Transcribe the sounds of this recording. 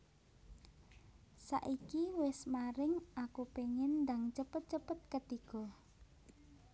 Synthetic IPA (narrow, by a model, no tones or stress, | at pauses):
sa̰ʔikiwɪsmaɾɪŋʔakupeŋɪnːdaŋt͡ʃəpət̪̚t͡ʃəpət̪̚kət̪iɡ̥ɔ